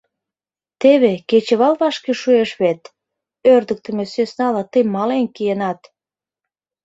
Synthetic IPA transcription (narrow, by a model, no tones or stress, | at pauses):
t̪eβeket͡ɕeβɑlβɑʃkeʃueʃβet̪ | ørd̪ə̆k̚t̪ə̆mesesnɑlɑt̪əjmɑlenkijenɑt̪